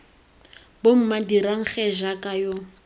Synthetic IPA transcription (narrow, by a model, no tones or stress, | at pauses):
bom̩madiɾaŋ̩χɛʒakʼajo